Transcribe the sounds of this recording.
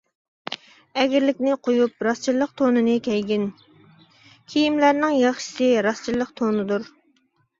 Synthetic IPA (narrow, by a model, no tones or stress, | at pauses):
ɛɡʲɪɾlɪkʲnɪqʰojupɾɑst͡ʃʰiɾlˠːəq̚t̪ʰonɨnɨkʲʰɛjɡʲin | kʲʰijimlæɾnɪŋjɑχʃɨ̥sɨɾɑst͡ʃʰilˠːəqt̪ʰonɨd̪uɾ